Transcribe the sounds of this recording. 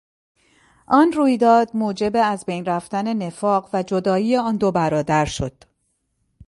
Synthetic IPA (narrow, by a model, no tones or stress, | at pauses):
ʔɒːnruːjd̪ɒːd̪̚muːd͡ʒe̞be̞æzbejnræft̪æne̞ne̞fɒːɢvæd͡ʒo̞d̪ɒːijeɒːnd̪o̞bæɾɒːd̪æɾʃo̞̰d̪̥